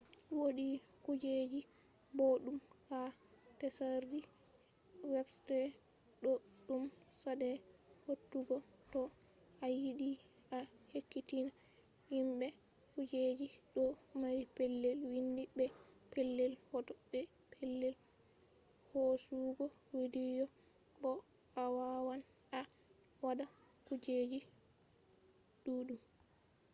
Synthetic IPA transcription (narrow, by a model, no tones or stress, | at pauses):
woɗi | kud͡ʒed͡ʒi | boɗumka | tɛsaɾdi | wɛbstɛ | ɗɔ | ɗum | sadɛhotːuɡɔ | tɔ | ʔajiɗi | a | hekːitina | himɓɛ | kud͡ʒed͡ʒiɗɔmaɾipɛlːɛlwindibɛpɛlːɛlhɔtɔbɛpʰɛlːɛl | hosuɡɔ | widid͡ʒɔ | bɔ | awawan | a | wadakud͡ʒed͡ʒi | ɗuɗum